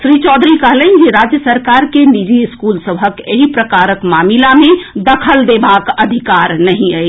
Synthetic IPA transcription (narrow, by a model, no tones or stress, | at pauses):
sɾit͡ʃɔd̪ʱɾikəɦlən̆d͡ʒeɾad͡ʒjəsəɾkaɾkenid͡ʒiiskulsəbʱəkeɦipɾəkaɾəkmamilamed̪əkʰəld̪ebakəd̪ʱikaɾnəɦĩəj